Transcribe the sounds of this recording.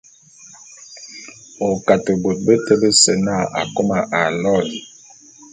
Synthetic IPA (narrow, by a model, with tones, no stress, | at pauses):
o˨ka˨tə˨ɡ͡bo˨t̚bə˦tə˦lə˦sə˨na˦˨ʔa̰˨ko˦ma˨ʔa˨lɔ˦˨li˨